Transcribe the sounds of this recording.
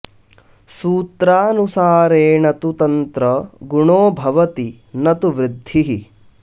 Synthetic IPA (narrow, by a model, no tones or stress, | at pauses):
suːt̪ɾaːnusaːɾeːnɐt̪ut̪ɐnt̪ɾɐɡuɳoːbʱɐʋɐt̪i | nɐt̪uʋɾɪd̪ʱːiɦi